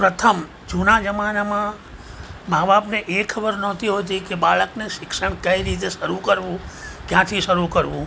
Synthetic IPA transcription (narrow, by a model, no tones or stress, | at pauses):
pɾət̪ʰəm | d͡ʒunad͡ʒəmanamã | mababneʔekʰəbəɾnɔt̪iɦot̪ikebaɭəkneʃɪkʃəɳkəiɾit̪̬eʃəɾukəɾʋũkjãt̪ʰiʃəɾukəɾʋũ